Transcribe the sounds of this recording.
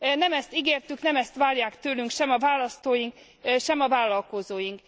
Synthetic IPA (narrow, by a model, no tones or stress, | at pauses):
nɛmɛst̪iɡeːrt̪yknɛmɛst̪ʋaːrjaːkt̪øːlyŋkʃɛmɒvaːlɒst̪oːjiŋk | ʃɛmɒvaːlːɒlko̞zoːjiŋk